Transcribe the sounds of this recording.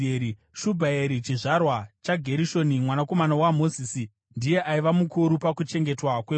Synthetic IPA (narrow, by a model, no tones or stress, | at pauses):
ei | ʃubʱaeɾit͡ʃiʐarwat͡ʃaɡʱe̞ɾiʃo̞nimwanako̞manawamo̞ziːsi | ndije̞ʔaiʋamukuɾupakut͡ʃe̞ŋɡe̞twakwe